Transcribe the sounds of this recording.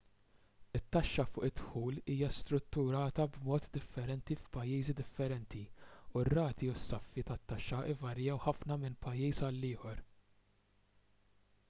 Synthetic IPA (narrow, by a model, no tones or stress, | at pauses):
ɪt̪ːɐʃːɐfʊːʔɪt̪ħuːliːjɐst̪ɾʊt̪ːʊɾɐːt̪ɐbmɔːt̪d̪ɪfːɛɾɛnt̪ifpɐjːiːzid̪ɪfːɛɾɛnt̪iurːɐːt̪iʊsːɐfːit̪ɐt̪ːɐʃːɐʔɪvɐɾjɐwħɐfnɐmɪnpɐjːiːsɐlːɪːħɔɾ